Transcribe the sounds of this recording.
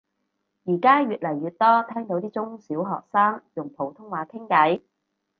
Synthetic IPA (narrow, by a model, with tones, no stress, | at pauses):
jiː˨˩kaː˥jyː˨t̚lɐ˨˩jːyː˨˧t̚t̪ɔː˥t̪ʰɛː˥ŋt̪o˨˧˥wt̪iː˥t͡sʊ˥ŋsiː˨˥wɦɔ̰ː˨k̚saː˥ŋjʊ˨˩ŋpʰo˨˩wt̪ʰʊ˥ŋwaː˨˧˥kʰɪ˥ŋkɐ˨˥j